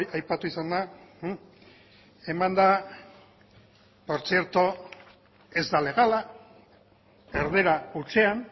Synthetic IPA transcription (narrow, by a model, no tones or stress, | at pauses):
jajpat̪uisand̪a | e̞mand̪a | po̞ɾt͡sie̞ɾt̪o | e̞zd̪ale̞ɣ̞ala | eɾð̞e̞ɾaut͡se̞an